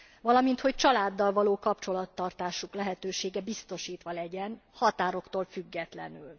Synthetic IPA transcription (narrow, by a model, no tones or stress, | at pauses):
vɒlɒmint̪ho̞c̚t͡ʃɒlaːd̪ːɒlvɒloːkɒpt͡ʃo̞lɒt̪ːɒrt̪aːʃuklɛɦɛt̪øːʃeːɡɛbist̪o̞ʃiːt̪ʋɒlɛɟɛnhɒt̪aːɾo̞kt̪oːlfyɡːɛt̪lɛ̰nyl